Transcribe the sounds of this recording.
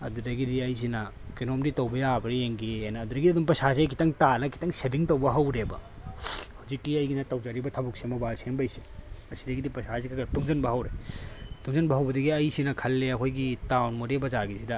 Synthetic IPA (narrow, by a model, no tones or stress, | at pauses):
ɐ̰d̪udɐɡidiɐjs̬inɐ | kinomditɐwbɐjabɐɾieŋɡienɐːd̪uɾɐɡiɐdumpɐsas̬jkʰitɐŋtalɐkʰi̥tɐŋsebiŋtɐwbɐɦɐwɾebɐ̰ | hazikːiɐjɡinɐtɐwd͡ʒaɾibɐtʰɐbuk̚semɐbalsenbɐjsi̥ɐsidɐɡidipɐsasikʰaɡɾɐtuŋzɐnbɐɦɐwɾetuŋzɐnbɐɦɐwbɐdiɡiɐjsinɐkʰɐlːeɐkʰojɡitawnmuɾebɐzaɾɡisidɐ